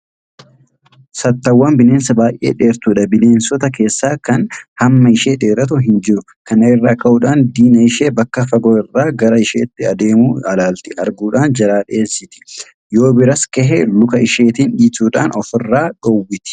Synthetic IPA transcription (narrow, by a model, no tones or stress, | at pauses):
sɐt̪ːɐwːɐːnbɪle̞ːnsɐbaːjʔḛːᶑe̞ːɾt̪uːᶑɐbɪle̞ːnsɔt̪ɐke̞ːsːaːkɐnhɐmːɐɪʃeːᶑe̞ːɾɐt̪ʊɦɪnd͡ʒɪɾʊ | kɐnɐɪrːaːkɐʔuᶑaːnd̪iːnɐɪʃe̞ːbɐkːɐfɐɡoɪrːaːɡɐɾɐɪʃḛːt̪ːɪɐd̪e̞ːmuːɐlaːlt̪ɪɐ̰ɾɡuːᶑaːnd͡ʒɐɾaːᶑeːsːɪt̪ɪ̥ | jo̞ːbɪɾɐskɛɦɛlʊkɐɪʃe̞ːt̪iːnᶑiːt̪uːᶑa̰ːnɔfɪrːaːᶑɔwːɪt̪ɪ̥